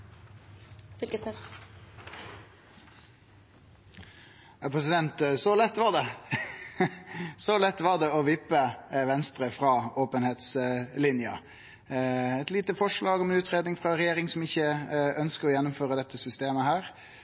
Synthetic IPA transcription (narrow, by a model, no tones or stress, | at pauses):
fʏlɡəsɛ | jɑpʰʁɛs̬ɪd̪ɛnt̪sɔlɛt̪ːʋɑʁd̪ɛ | sɔlɛt̪ːʋɑʁd̪ɛɔʋɪpːəʋɛnst̪ɾəfɾɑːoːpənheːt̪slɪnjə̰ | ɛt̪liːt̪əfɔʂɭɑːɡɔmɛnʉːt̪ʁeːd̪nɪŋfʁɑɾɛjeːɾɪŋsɔmɪçːəœnskəɾɔjɛnːʊmføːʁəd̪ɛt̪ːəsʏst̪eːməhæːʁ